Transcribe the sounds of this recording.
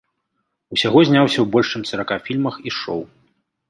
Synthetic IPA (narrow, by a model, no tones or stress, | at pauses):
usʲaɣɔzʲnʲawsʲɐwbɔlʲʂt͡ʂɨmt̪sɐɾakafʲilʲmɐxiʂɔ̰w